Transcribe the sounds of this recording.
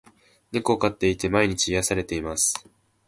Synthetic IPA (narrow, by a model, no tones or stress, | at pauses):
nekɯokat̪ːe̞it̪e̞maiɲ̟it͡ɕiːjasaɾe̞t̪e̞imasɨ̥